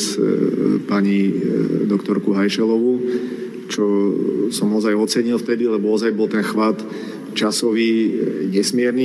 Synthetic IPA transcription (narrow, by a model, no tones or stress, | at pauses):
s | paɲid̪ɔkt̪ɔɾkuɦajʃɛlɔʋu | t͡ʃɔsɔmɔzajɔt͡sɛɲilft̪ɛd̪ilɛbɔɔzajbɔlt̪ɛnxʋat̪ | t͡ʃasɔʋiːɲɛsmɪɛɾni